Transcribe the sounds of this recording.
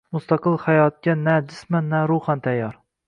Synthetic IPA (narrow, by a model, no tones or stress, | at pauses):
mʊst̪ɑqɨlˠhajɒt̪̚kʲanad͡ʒɪsmanːaɾuχant̪ʰajːɒɾ